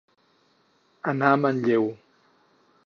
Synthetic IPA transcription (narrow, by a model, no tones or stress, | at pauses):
anamanʎew